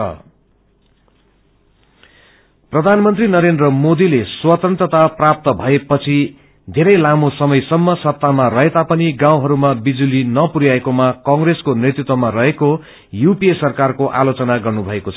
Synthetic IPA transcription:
ʌ̰ | prʌd̪ʱanmʌnt̪rinʌɾend̪rʌmod̪ileswʌt̪ʌnt̪rʌt̪aprap̚t̪ʌbʱʌepʌt͡sʰi | d̪ʱeɾʌjlamosʌmʌjsʌmːʌsʌp̚t̪ːamarʌɦet̪apʌniɡãw̃ɦʌɾumabid͡zulinʌpuɾjaekomakʌ̃ŋɡreskonet̪rut̪wʌmarʌɦeko | jupiesʌrkarkoʔa̰lot͡sʌnaɡʌrnubʱʌekot͡sʰʌ

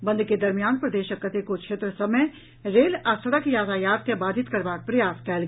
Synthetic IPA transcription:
bɐ̃nd̪ʱked̪ɐɾmijaːnpɾɐd̪eːʃəkːət̪ekokʃeːt̪ɾəsɐməj | ɾeːlasɐɽəkjaːt̪ʰajaːd̪̚kebaːd̪ʱɪt̪kɐɾbaːk̚pɾɐjaːskɛːlɡ

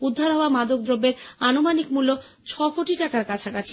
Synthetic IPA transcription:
ud̪ʱːaɾɦɔoamad̪ok̚d̪ɾobːeɾanomanikmulːo | t͡ɕʰɔkoʈiʈakaɾkat͡ɕʰakat͡ɕʰi̥

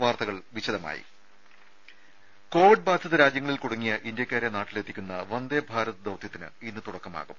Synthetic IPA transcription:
ʋaːrt̪ɐɣɐɭʋit͡ɕːɐðɐma̰ːjḭ | ko̞ːʋiɖ̚baːd̪ʱjɐðɐɾaːd͡ʑjɐŋːɐɭilkuɽɐŋːijɐʔindjɐkʲːaːɾenaːʈːile̞t̪ːikʲːunːɐʋɐnd̪ebʱaːɾɐðɐd̪ɐwt̪jɐt̪ːinɨ̰inːɨt̪uɽɐkːɐma̰ːɣum

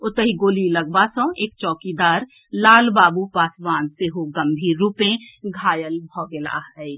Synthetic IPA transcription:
ʊt̪əɦiɡoːlilɐɡ̚baːsõeːk̚t͡ʃɔːkid̪aːɾ | laːlbaːbupaːsbaːnt̪eɦoɡɐmbʱiɾuːpẽɡʱaːjəlbʱɔːɡela̰ːɦəi

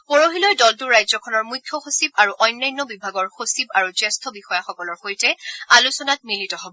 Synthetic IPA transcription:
pɔɹoɦilɔjdɔltuɹajzɔkʰɔnɔɹmujkʰːjɔxosib̚aɹuʔɔjnːajnːɔbibʱaɡɔɹxosibaɹuzɛstʰɔbixɔjaxɔkɔlɔɹxojtɛalusɔnat̚militɔɦɔbɔ

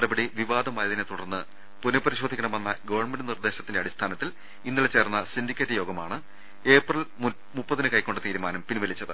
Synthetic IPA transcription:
ɽɐbɐɽiʋiʋaːd̪ʱɐmaːjɐðinet̪uɽɐrnːɨ | punɐpɐɾiɕod̪ʱikʲːɐɳɐmenːɐɡɐʋɐrɳmenɖɨnird̪e̞ːɕɐt̪ːindeɐɽist̪ʰaːnɐt̪ːil | inːilet͡ɕe̞ːrnːɐsindikʲːeːtːɨjo̞ːɡɐmaːɳɨ | e̞ːprɐl | mupːɐðinɨkɐjkːo̞ɳɖɨt̪iːɾumaːnɐmpinʋɐlit͡ɕːɐðɐ

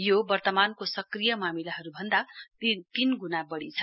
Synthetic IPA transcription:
jobʌrt̪ʌmankosʌkrijʌmamilaɦʌɾubʱʌnd̪at̪inɡunabʌɽit͡sʰʌ̥

